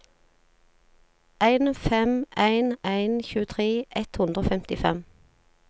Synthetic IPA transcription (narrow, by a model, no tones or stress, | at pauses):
ʔæɪnfɛmʔæɪnæɪnçʉːət̪ʰʁeːʔɛt̪hʉnd̪ʁoːfɛmt̪ɪfɛ̰m